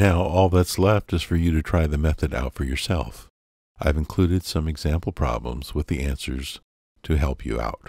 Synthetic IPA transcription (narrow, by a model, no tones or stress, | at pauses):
naʊʔɔlˠðɨtslɛftɨz̥fə˞jɨɾɨtʰɹ̥aɪðɨmɛθɨɾa̰ʊtfə˞jə˞sɛ̰lˠf | ʔaɪvɨ̃nkʰl̥ʉɾɨd̥sʌ̃mɨɡzæ̃mpl̩ˠpʰɹ̥ɑ̰blə̰̃mz̥wəðiæ̃nsə̰˞z̥ | tʰɨɦɛlˠpʰjɨ̰a̰ʊt̚